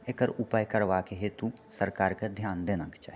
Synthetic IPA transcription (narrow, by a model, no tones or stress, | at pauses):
ekəɾʊpəjkəɾʋaːkeɦet̪u | səɾkaːɾked̪ʱjaːnd̪eːnakt͡ʃa̰